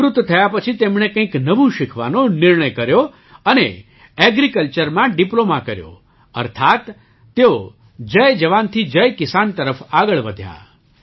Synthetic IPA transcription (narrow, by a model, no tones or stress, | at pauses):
ɾut̪ːt̪ʰəjapət͡ʃʰit̪emɳ̃ekə̃ĩknəʋũʃɪkʰʋa̰nonɪɾɳəjkəɾjo | ənḛ | ɛɡɾikəlt͡ʃəɾmãɖiplomakəɾjo̰ | ə̰ɾt̪ʰat̪ː | eo | d͡ʒəjd͡ʒəʋant̪ʰid͡ʒəjkɪsant̪əɾəfaɡəɭʋəd̪ʱja̰